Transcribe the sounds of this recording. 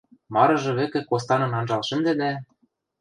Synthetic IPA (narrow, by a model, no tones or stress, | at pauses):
mɑɾɤ̆ʒɤ̆βɘ̆kĕkost̪ɑnɤ̆nɑnʒɑlʃɘ̆md̪ɘ̆d̪æ